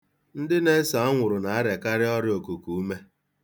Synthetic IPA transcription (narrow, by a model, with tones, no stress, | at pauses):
n̩˦dɪ˦ne˦sa˨˦a˦ŋʷʊ˨ɾʊ˨na˨a˦ɾe˨ka˦ɾɪ˦ɔ˦ɾɪ˦o˨ku˨ku˨u˦me˦